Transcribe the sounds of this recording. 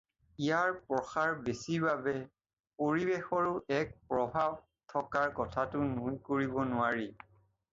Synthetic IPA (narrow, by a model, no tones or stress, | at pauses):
ijaɹpɹɔxaɹbesiɹbabɛ | poɹibexɔɹʊʔɛk̚pɹɔbʱab | tʰɔkaɹkɔtʰatʊnujkoɹibɔnʊwaɹi